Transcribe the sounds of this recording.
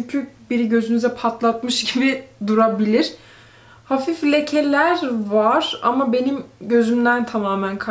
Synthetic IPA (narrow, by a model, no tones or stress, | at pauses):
yɲcʰybiɾiɟø̞zynyzɛpʰat̪lˠat̪mɯʃɟibid̪uɾabilʲiɾ̥ | hafiflʲecʰelʲæɾvaɾ̥a̰mabe̞nimɟø̞zymd̪ænt̪ʰamaːmænkʰa